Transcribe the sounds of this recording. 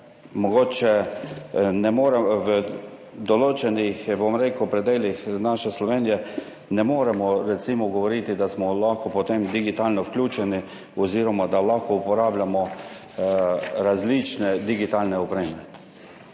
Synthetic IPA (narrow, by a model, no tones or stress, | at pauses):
mɔɡoːt͡ʃɛ | nɛmoːɾɛʋə | d̪ɔloːt͡ʃɛnixbomɾekwpɾɛd̪eːlixnaʃɛslɔʋeːnijɛ | nɛmoːɾɛmɔɾɛsimɔɡɔʋɔɾit̪id̪asmɔlaxkɔpɔt̪emd̪iɡit̪aːlnɔwklʲuːt͡ʃɛni | ɔziːɾɔmad̪alaxkɔupɔɾaːblʲamɔ | ɾazlit͡ʃnɛd̪iɡit̪aːlnɛɔpɾeːmɛ